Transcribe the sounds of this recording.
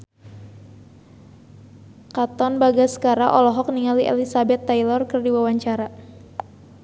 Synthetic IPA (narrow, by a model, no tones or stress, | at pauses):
kat̪ɔnbaɡasə̥kaɾaʔɔlɔɦɔk̚niŋaliʔḛlisabɛt̪ːajlɔrkərdiwawaɲt͡ʃaɾa